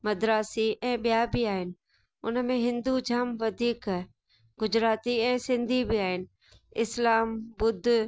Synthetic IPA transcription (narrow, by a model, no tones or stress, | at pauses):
mɐd̪ɾaːsiʔɛ̃ːɓijabiaːɦɪnɪ̆ | ʊnəmẽɦɪ̃nd̪ud͡ʑʱaːmʋɐd̪ʱiːkː | ɡʊd͡ʑɾaːt̪iɛ̃ːsɪ̃nd̪ʱibiaːɦɪnɪ̆ | ɪslaːmbʊd̪ʱ